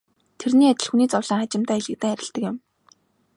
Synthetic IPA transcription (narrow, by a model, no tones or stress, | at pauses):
t̪ʰerniːat͡ɕɪ̆ɮxuniːt͡sɔwɮaːŋat͡ɕɪ̆m̥t̪æːiɮɘ̆k̚t̪æːŋæɾʲɪ̆ɮt̪ə̆kɪ̆m